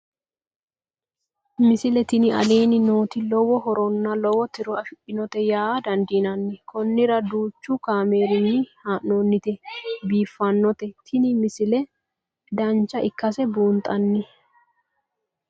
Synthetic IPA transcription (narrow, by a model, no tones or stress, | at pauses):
mɪsɪlɛt̪ɪnɪʔɐ̰leːnɪnoːt̪ɪlɔwɔɦɔɾɔnːɐlɔwɔt̪ɪɾɔɐfɪʔɪnɔt̪ɛjaːd̪ɐnd̪inɐnːɪkʰɔnːɪɾɐd̪uːt͡ʃːʊkaːme̞ːɾɪnːɪhaːnːoːnːɪt̪ɛbiːfːɐnːɔt̪ɛt̪ʰɪnɪmɪsɪlɛ | d̪ɐnt͡ʃːɐʔɪkːɐsɛbuːnt̪ʼɐnːɪ